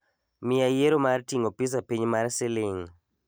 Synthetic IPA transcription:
mɪajeɾomartiŋopis̬apiɲmarsɪlɪŋ

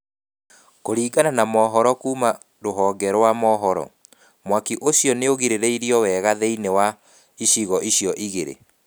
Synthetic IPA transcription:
koɾiːɡananamɔːɦɔɾɔkuːma | ɾoɦɔːɡɛɾɔwamɔɦɔɾɔ̰ | mwakiʔoɕjɔneoɣiɾeɾeiɾiɔwɛːɣaðeinewa | iɕiɣɔʔiɕjɔʔiɣeɾḛ

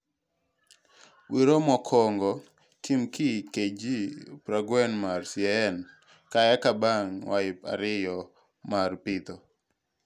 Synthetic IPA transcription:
wiɾomɔkʰɔŋɡɔ | kʰimkiked͡ʒipɾaɡwɛnmarsjɛɛn | kajakabaŋwaɪpa̰ɾɪjɔ | marpɪt̪ɔ

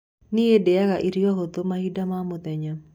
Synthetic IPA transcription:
nɪedɛakaʔiɾiɔkot̪omahidamamʊt̪ɛɲɔ

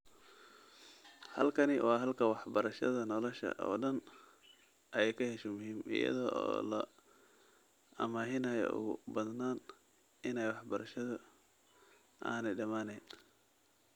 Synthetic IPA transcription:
hɐlkʰɐnɪwʔɑːɦɐlkʰɐwɑħbɐɾɐʃɐðɐnɔlɔʃɐ̰ʔɔ̰ːɖɐn | ʔɐɛjkʰɐhɛʃɔmʊhiːmʔɪ̰jɐ̰ðɔːʔɔ̰ːlɐ̰ | ʔɐmaːɦɪnɐjɔ̰ʔʊ̰ɣʊ̰bɐðnaːn | ʔɪnɛjwɑħbɐɾɐʃɐðʊ | ʔaːnɛjɖɐmaːnɛjn

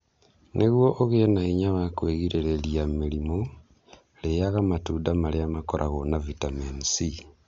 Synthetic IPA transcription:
nʔeɣwoʔoɣenaiɲaβakweɣiɾeɾelijamilimo | lejaɣamatudamaleamakoɾʔaɣonavitamensi

